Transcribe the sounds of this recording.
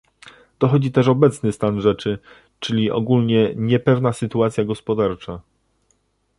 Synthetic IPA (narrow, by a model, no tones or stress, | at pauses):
d̪̥ɔxɔd͡ʑit̪ɛʂɔbɛt̪snɘst̪anʐɛt͡ʂɘ | t͡ʂɘlʲiʔɔ̰ɡulʲɲɛɲɛpɛvnasɘt̪uat̪sjaɡɔspɔd̪aɾt͡ʂa